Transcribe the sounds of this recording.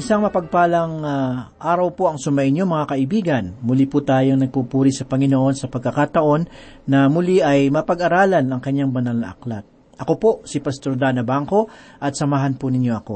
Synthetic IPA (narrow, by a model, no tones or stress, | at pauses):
ʔɪsaŋmɐpɐɡ̚paːlɐŋaʔaːɾɐwpoʔɐŋsʊmɐɪnjomɐŋakɐʔɪbiːɡɐnmʊliput̪aːjoŋnɐɡ̚pupuːɾisɐpɐŋɪnoʔo̞nsɐpɐɡ̚kɐkat̪ɐʔo̞nːɐmʊliʔɐjmɐpɐɡɐɾaːlɐnɐŋkɐɲːaŋbɐnalnɐ̰ʔɐ̰klat̪̚ | ʔɐko̞po̞sɪpɐst̪oɾd̪anɐbaŋko̞ʔɐt̪̚sɐmaɦanpʊnɪɲjo̞ʔɐko̞